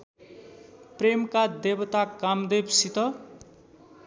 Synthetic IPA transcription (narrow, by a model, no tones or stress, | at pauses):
premkad̪ebʌt̪akamd̪ebsit̪ʌ